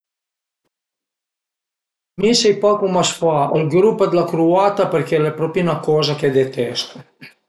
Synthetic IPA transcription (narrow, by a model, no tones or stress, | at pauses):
misejpakumasfaəlɡɾupːad̪lakɾuaːt̪apəɾkɛlepɾopinakoːzaked̪et̪ɛst̪o